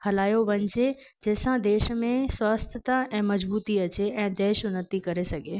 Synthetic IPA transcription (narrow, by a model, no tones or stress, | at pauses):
hɐlaːjoʋɐ̃ɲd͡ʑe | d͡ʑɐɦːɪsãd̪eːʃmẽswaːst̪ʰət̪aɛ̃ːmɐd͡ʑbuːt̪iɐt͡ɕeʔɛ̃ːd̪ɛːʃnət̪ikɐɾesɐɡʱeː